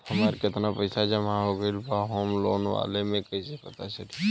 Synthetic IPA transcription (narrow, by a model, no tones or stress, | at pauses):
həmaːɾkɪt̪napəɪsad͡ʒəmãɦoɡəilpaɦoːmlo̰ːnʋa̰ːlemẽkɐisepɐt̪at͡ʃəɾi